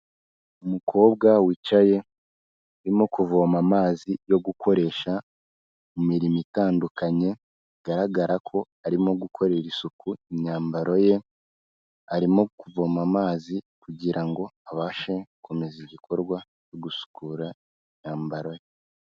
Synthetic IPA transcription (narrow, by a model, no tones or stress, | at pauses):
umukʰo̞ːβ̚ɡawiːt͡ʃaje̞ | aɾimokuvo̞mamaːzijo̞ɡukʰo̞ɾe̞ʃa | mumiɾimitaːndukaɲe̞ | ɡ̥aɾaɡaɾakʰo̞ | aɾimo̞ɡukʰo̞ɾe̞ɾisukuiɲaːmbaɾo̞je̞ | aɾimo̞kuvo̞mamaːzikuɟiɾaŋɡo̞aβaːʃeko̞meziɟikʰo̞ɾɡwa | jo̞ɡusu̥kuːɾa | iɲaːmbaɾo̞je